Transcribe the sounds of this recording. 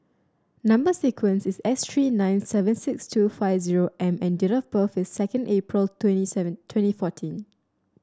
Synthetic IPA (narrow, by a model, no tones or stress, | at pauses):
nãmbəsikʰwə̃nsɪsɛstʰɹiːnãɪ̃nsɛvə̃nsɪkstʰufaɪvziɹoʔɛ̃mɛ̃ndiɹafbəfɪsːɛkə̃ndepɹəltʰwɛ̃nisɛ̃tʰwɛ̃ntifɔtʰĩn